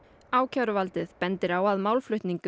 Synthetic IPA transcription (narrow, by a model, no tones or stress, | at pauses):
aːwcʰaɾʏvalt̪ɪðpɛnt̪ɪɾawaðmaːwlflʏht̪niŋk